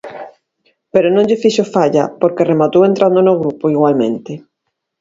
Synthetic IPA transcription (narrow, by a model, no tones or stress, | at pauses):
peɾonõŋʎɪfiʃofaʎa̰poɾkeremat̪owent̪ɾand̪onoɣ̞ɾupoiɣwalmḛ̃nt̪ɪ